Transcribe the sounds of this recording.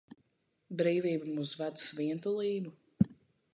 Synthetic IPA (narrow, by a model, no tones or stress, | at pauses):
bɾiːvʲiːbumuːzvæd̪u̥sviɛnt̪ulˠiːbu